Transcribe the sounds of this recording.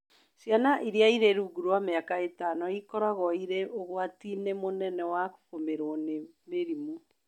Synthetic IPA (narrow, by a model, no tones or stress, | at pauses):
sjanaʔiɾjaiɾeɾuɡuɾwameakaetanɔikɔɾaɣɔiɾeʔoɣwatinemonɛnɛwako̥fomeɾonemeɾimu